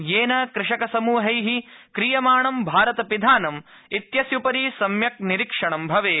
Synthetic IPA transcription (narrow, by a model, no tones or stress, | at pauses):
jeːnɐkɾɪʂɐkɐsɐmuːɦɐjɦikɾijɐmaːɳɐmbʱaːɾɐt̪ɐpid̪ʱaːnɐm | it̪jɐsjupɐɾisɐmjɐk̚niɾikʂɐɳɐmbʱɐʋeː